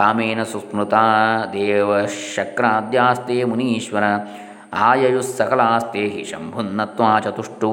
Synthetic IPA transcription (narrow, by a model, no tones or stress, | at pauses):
aːmeːnɐsusmɾut̪aːd̪eːʋɐʃɐkɾaːd̪jaːst̪eːmuniːʃʋɐnɐ | aːjɐjusɐkɐlaːst̪eːɦḭʃɐ̰mbʱunːɐt̪ʋaːt͡ʃɐt̪uʂʈu